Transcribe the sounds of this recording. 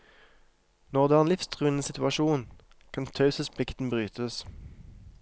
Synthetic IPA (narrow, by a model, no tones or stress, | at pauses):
nɔʁd̪æːnlɪfst̪ʰʁʉːən̩əsɪt̪ʉɑʃuːn | kʰɑnt̪ʰɑʉsəspʰɪkt̪n̩bʁyːt̪ʰəs